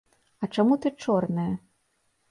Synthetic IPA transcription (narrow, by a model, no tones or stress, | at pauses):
ɐt͡ʂamut̪ɨt͡ʂɔrnɐjɐ